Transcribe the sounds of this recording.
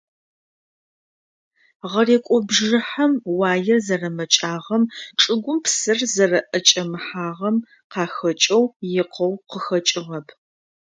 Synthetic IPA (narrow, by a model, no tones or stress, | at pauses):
ʁɐreːkʷʼɔbʒɨħɐmwaːjɐzɐrɐmɐt͡ʃʼaːʁɐmʈ͡ʂʼɨɡʷʊmpʰsɨrzɐrɐʔɐt͡ʃʼɐmɨħaːʁɐm | qɑːxɐt͡ʃʼɐwjɪqʰɐwqəxɐt͡ʃʼɪʁɐpʰ